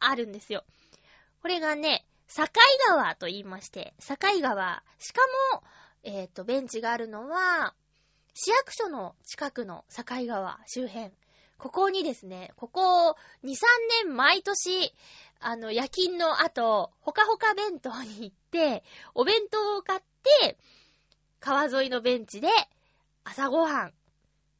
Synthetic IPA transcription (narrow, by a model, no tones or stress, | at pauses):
aɾɯ̟̃nd̪e̞sɨjo̞ | ko̞ɾe̞ɡane̞ | sakaiɡaβat̪o̞iːmaɕi̥t̪e̞̰sakaiɡaβa̰ | ɕi̥kamo̞ | e̞t̪ːo̞bẽ̞ɲ̟t͡ɕiɡaːɾɯ̟no̞βa | ɕijakɯ̟̥ɕo̞no̞t͡ɕi̥kakɯ̟no̞̰sakaiɡaβa̰ɕɨːɦẽ̞ŋ | ko̞ko̞ɲ̟id̪e̞sɨne̞ko̞ko̞ | ɲ̟isãnːẽ̞mmait̪o̞ɕi | ano̞jakʲĩnːo̞ʔat̪o̞ho̞kaɦo̞kabẽ̞nt̪o̞ɲ̟iːt̪ːe̞o̞bẽ̞nt̪o̞ːkat̪ːe̞ | kaβazo̞ino̞bẽ̞ɲ̟t͡ɕid̪e̞ | asaɡo̞hãŋ